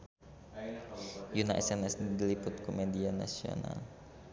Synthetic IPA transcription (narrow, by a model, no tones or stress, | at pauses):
junaʔɛsɛnɛsdilipʊt̪̚kumɛdiana̰sio̰na̰l